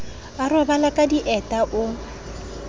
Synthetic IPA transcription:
arʊbalakʼadiʔɛtʼaʔʊ

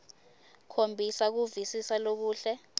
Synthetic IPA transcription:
kʰombʱisak̬uvisisalok̬uːɬɛ

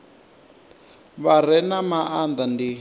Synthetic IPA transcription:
βaɾɛnamaʔand̪andi

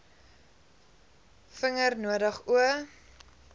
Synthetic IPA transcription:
fəŋərnuədəχuə

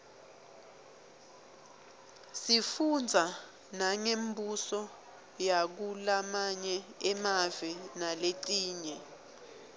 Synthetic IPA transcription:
sifund͡zʱa | naŋembʱusɔ | jak̬ulamaɲɛɛmavɛnaleǀʼiːɲɛ

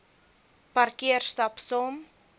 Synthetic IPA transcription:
pɐrkiərstɐpsɔm

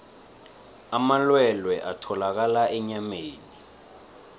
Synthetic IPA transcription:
amalwɛlwɛʔatʰɔlak̬alaɛɲameːni

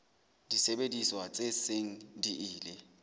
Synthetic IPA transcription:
d̥isɛɓediswat͡sʼeseŋ̩diiːlɛ

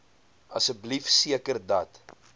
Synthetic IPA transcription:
ɐsəblifsiəkərdɐt

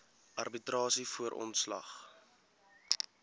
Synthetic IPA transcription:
ʔɐrbitrɑːsifuəɾʔɔ̰ntslɐ̰χ

